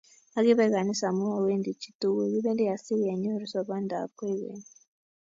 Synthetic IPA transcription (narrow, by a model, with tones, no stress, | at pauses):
a˦k̬i˦βɛ˨k̬a˨ni˦sa˨mu˦wa˨we˦ndʱi˨t͡ʃʰʼi̥˦tʼu˦k̬ɛk̬i˦ɓɛ˦li˦ja˨si˦jɛ˨ɲo˦ri˦sa˨ɓa˦ndʱa̰˨pʰwɛ˦jḛːni